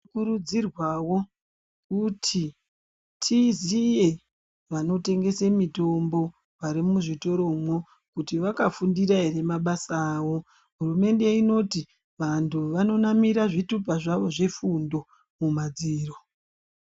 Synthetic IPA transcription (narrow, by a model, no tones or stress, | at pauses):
kuɾud͡zirwawo̞ | kutʰi | tʰizije̞ | ʋano̞te̞ŋɡe̞semito̞mbo̞ | waɾimuʐito̞ɾo̞mwo | kutiʋakafundiɾaɦere̞maɓasaːʋo̞ | ɦurume̞nde̞ino̞ti | ʋantʰuʋano̞namiɾaʐitup̬aʐaʋo̞ʐe̞fundo̞ | mumad͡ziːro